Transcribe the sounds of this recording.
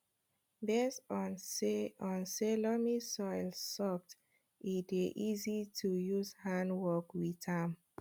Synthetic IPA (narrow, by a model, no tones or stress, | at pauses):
bestɔ̃nseɔ̃nselɔmisɔjlsɔf̚t | iteʔizitʰujuzhãndwɔkwitam